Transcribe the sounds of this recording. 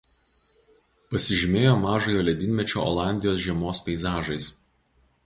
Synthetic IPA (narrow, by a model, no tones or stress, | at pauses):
pɐsʲɪʒʲɪmʲeːjoːmɑːʒojoːlʲɛd̪ʲɪnʲmʲɛt͡ʃʲo̰ːɔ̰ːlˠɑˑnʲd̪ʲɪjoːs̬ʒʲiɛmoːspʲɛɪzɑːʒɐɪs